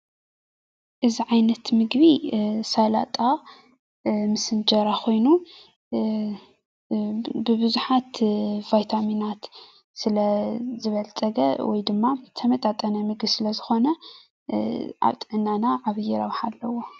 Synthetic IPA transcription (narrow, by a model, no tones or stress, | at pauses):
ʔɨziʕajnɐt̪mɨɡβisala̰t̪ʼa | mɨsɨnd͡ʒɐɾakʰo̞jnu | bɨbɨzuħat̪v̥ajt̪ʰaminat̪ | sɨlɐzɨβɐlt͡sʼɐɡɐ̰wɔjd̪ɨmːat̪ʰɐmɐt̪ʼat̪ʼɐnɐmɨɡbisɨlɐzɨxo̞nɐ | ʔa̰βt̪ʼɨʕɨnːanaʕaβjɛɾɐwħalːɐwo